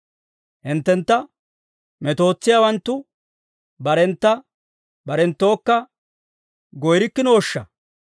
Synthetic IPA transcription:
hɪnt̪ːɛnt̪ːɐ | mɛt̪o̞ːt͡sːɪjawɐnt̪ːʊ | bɐɾɛnt̪ːɐ | bɐɾɛnt̪ːo̞ːkːɐ | ɡɔjɾɪkːɪno̞ːʃːɐ

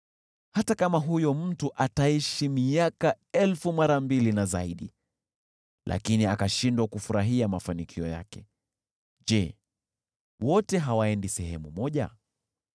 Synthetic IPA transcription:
hatakamaɦujɔm̩tuʔataiʃimiaka | ɛlfumaɾambilinazaiɗi | lʔa̰kiniakaʃindwakufuɾaɦiamafanikʰiɔja̰kɛ | ʄɛ | wɔtɛɦawaɛndisɛɦɛmumɔʄa̰

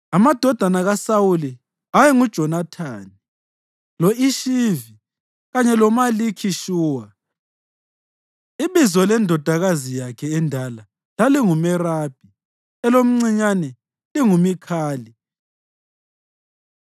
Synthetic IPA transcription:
amad̥ʱɔd̥ʱanaɣasawuli | ajɛŋud̥ʒ̥ʱɔnatʰaːni | loiʃivi | ɣaɲɛlɔmalikʰiʃuːwa | iβizɔlɛndʱɔd̥ʱaɣazijakʰɛɛndʱala | laliŋumɛraːb̥ʱi | ɛlom̩ŋ͡ǀiɲanɛ | liŋumikʰaːli

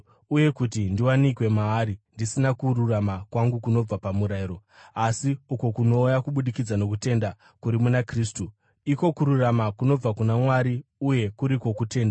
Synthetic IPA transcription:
uje̞kut̬indiwanikwe̞maːɾindisinakuɾuramakwaŋɡukuno̞b͡vapamuɾaiɾo̞asiukokuno̞ːjakuɓuɗikid͡zano̞k̬ute̞nda | kuɾimunakriːstu | iko̞kuɾuramakuno̞b͡vakunamwaɾiuje̞kuɾiko̞kute̞ːnda

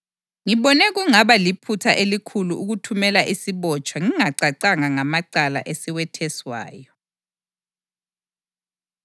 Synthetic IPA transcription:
ŋiβɔnɛɣuŋaβalipʰutʰaʔelikʰuluʔuɣutʰumɛlaʔisiβɔt͡ʃʼwaŋiŋaǀaǀaŋaŋamaǀala̰ʔesiwɛtʰɛswa̰ːjɔ

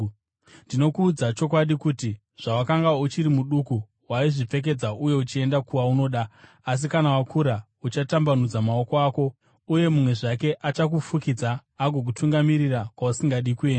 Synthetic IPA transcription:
ndino̞kuːd͡zat͡ʃo̞kwaɗikuti | ʐ̥awakaŋɡaut͡ʃiɾimuɗuku | waiʐip͡fe̞k̬e̞d͡zauje̞ut͡ʃie̞ndakuʋauno̞ːɗa | as̬ikanawakʰuɾa | ut͡ʃatambanud͡zamao̞ko̞aːko̞ | uje̞mumwe̞ʐake̞ʔat͡ʃak̬ufukid͡zaːɡʱo̞k̬utʰuŋɡamiɾirakwausiŋɡaɗikue̞ːna

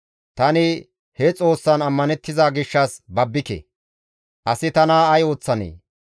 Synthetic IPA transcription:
t̪ɐnɪ | hɛt͡sʼo̞ːsːɐnɐmːɐnɛt̪ːɪzaːɡɪʃːɐsbɐbːɪkɛ̰ | ʔɐsɪt̪ɐnaːɐjo̞ːt͡sːɐnḛː

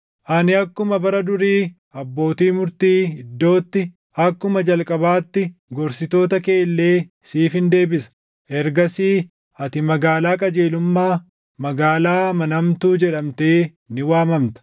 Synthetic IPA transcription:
ʔɐnɪɐkːʊmɐbɐɾɐd̪ʊɾiː | ɐbːo̞ːt̪iːmʊɾt̪iːɪd̪ːo̞ːt̪ːɪ | ɐkːʊmɐd͡ʒɐlkʼɐbaːt̪ːɪɡɔɾsɪt̪o̞ːt̪ɐke̞ːlːe̞ː | siːfɪnd̪e̞ːbɪsɐ̥ | ʔɛɾɡɐsiː | ɐt̪ɪmɐɡaːlaːkʼɐd͡ʒe̞ːlʊmːaː | mɐɡaːlaːmɐnɐmt̪uːd͡ʒɛᶑɐmt̪e̞ː | nɪwaːmɐmt̪ɐ̥

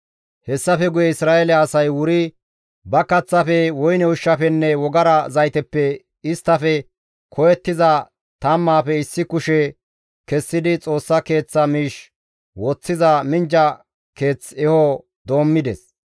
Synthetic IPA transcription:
hɛsːɐfɛɡʊjɛɪsɾaːelɛɐsɐjwʊɾɪ | bɐkɐt͡sːɐfɛwɔjnɛʊʃːɐfɛnːɛwɔɡɐɾɐzɐjt̪ɛpːɛ | ɪst̪ːɐfɛ | kʰɔjɛt̪ːɪzɐ | t̪ɐmːaːfɛɪsːɪkʊʃɛ | kɛsːɪd̪ɪt͡sʼo̞ːsːɐke̞ːt͡sːɐmiːʃ | wɔt͡sːɪzɐmɪnd͡ʒɐ | ke̞ːt͡sɛhɔ | d̪o̞ːmːɪd̪ɛs

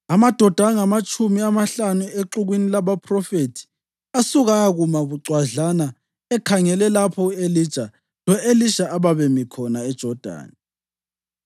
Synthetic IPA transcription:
amad̥ʱɔd̥ʱaŋamat͡ʃʼumiamaɬanueǁuɣwinilaβapʰrɔfetʰi̥ | asuɣaɣumaβuǀwaɮana | ɛkʰaŋɛlɛlapʰɔeli̥t͡ʃʼa | lɔʔeliʃaʔaβaβɛmikʰɔnaɛd̥ʒ̥ʱɔd̥ʱa̰ːni

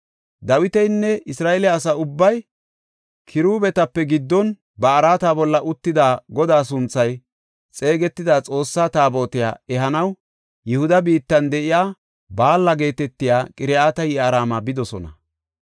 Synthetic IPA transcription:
d̪ɐwɪt̪ɛjnːɛɪsɾaːʔɛlɛɐsɐʊbːɐj | kʰɪɾuːbɛt̪ɐpːɛɡɪd̪ːɔn | bɐːɾaːt̪aːbɔlːɐʔʊt̪ːɪd̪aːɡɔd̪aːs̬ʊnt͡sːɐj | t͡sʼe̞ːɡɛt̪ːɪd̪aːt͡sʼo̞ːsːaːt̪aːbo̞ːt̪ɪja̰ːɛɦɐnɐw | jɛhʊd̪ɐbiːt̪ːɐnd̪ɛʔɪjaː | baːlːɐɡe̞ːt̪ɛt̪ːɪjaːkʼɪɾɪaːt̪ɐjɪaːɾaːmabɪd̪ɔsɔnɐ

